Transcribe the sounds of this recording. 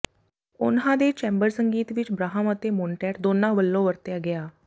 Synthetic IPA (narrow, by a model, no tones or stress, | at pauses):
ʊnɦãːd̪eːt͡ʃɛ̃ːmbəɾsəŋɡiːt̪ʋɪt͡ʃbɾaːɦəmət̪eːmʊːɳʈɛːʈd̪oːnãːʋəlːõːʋəɾt̪jaːɡɪaː